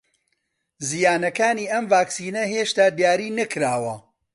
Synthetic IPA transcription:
zijaːnɐkaːniːʔɐmvaːksiːnɐheːʃt̪aːd̪jaːɾiːnɐkɾaːwɐ

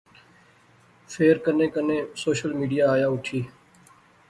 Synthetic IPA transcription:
fʰeːɾkənẽːkənẽːsoːʃəlmiːɖijaːjaːʊʈʰiː

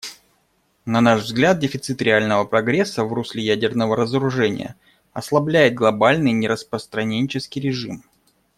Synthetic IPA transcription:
nɐnaʂvzɡlʲat̪̚dʲɪfʲɪt̪sɨt̪ɾʲɪalʲnəvəpɾɐɡɾʲesːəvrusʲlʲɪjædʲɪrnəvəɾəzəɾʊʐɛnʲɪ̰jə̰ | ɐslˠɐblʲæjɪt̪̚ɡlˠɐbalʲnɨjnʲɪɾəspɾəst̪ɾɐnʲenʲt͡ɕɪskʲɪjɾʲɪʐɨm

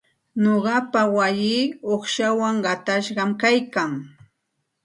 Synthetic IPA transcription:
noɢɑpawajiːoχʃawaŋɢɑt̪aʃɢɑmkajkaŋ

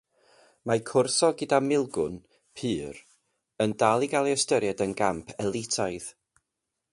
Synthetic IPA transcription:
makʰʊrsɔɡɪdamɪlˠɡʊ̰n | pʰɨːɾ | əndalˠiɡalˠiəstəɾjadənɡampʰɛlˠɪtʰajð

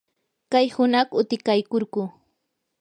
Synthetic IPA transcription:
kajhʊnɑχʊt̪ɪkajkoɾɢʊ

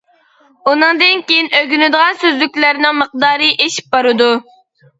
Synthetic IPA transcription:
unɨŋd̪ɨnkʲejinøɡʲynɪd̪əʁɑnsøzlykʲlæɾnɪŋməq̚d̪ɑːɾɨʔeʃi̥p̚bɑɾɨd̪u

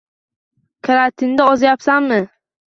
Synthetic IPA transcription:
kʰaɾat̪ʰɪnd̪aɒzajapsamːɪ

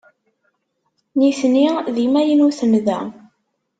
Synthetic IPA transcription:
niθniðimæjənuθənðæ̰

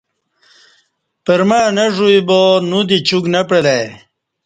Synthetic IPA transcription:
pəɾmanɐʐuibonud̪it͡ɕuɡnɐpɽelaj

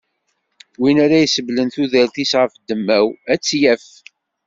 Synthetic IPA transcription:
winaɾæjsəvlənθuðælθisʁəfd̪ːəmːæwæt͡sːjæf

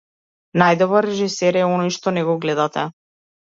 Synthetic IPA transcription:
najd̪ɔbɾaɾɛʒisɛɾɛɔnɔjʃt̪ɔnɛɡɔɡlɛd̪at̪ɛ̰

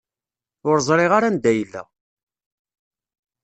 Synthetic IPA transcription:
ʊɾzˤɾˤɪʁaɾand̪æjlːæ̰

